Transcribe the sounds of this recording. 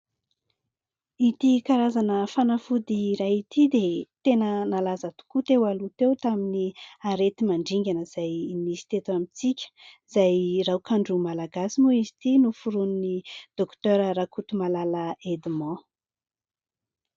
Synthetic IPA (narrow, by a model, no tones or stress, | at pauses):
it̪ikaɾazanəfanafud̪iɾajit̪id̪et̪enənalazat̪u̥kut̪ewalut̪ewt̪aminiaɾet̪imaɳɖ͡ʐiŋɡʲanəz̥ajnizi̥t̪et̪uamit͡sikʲə̥z̥ajrawkaɳɖ͡ʐumalaɡasimuizi̥t̪inufuɾuninid̪̥okt̪øɾəɾakut̪umalaləed̪imɑ̃